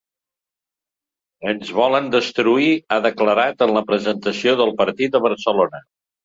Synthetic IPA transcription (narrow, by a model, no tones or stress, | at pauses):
ənzβɔlənd̪əst̪ɾuiaðəkləɾat̪ənləpɾəzənt̪əsioðəlˠpəɾt̪it̪̚əβ̞əɾsəlonə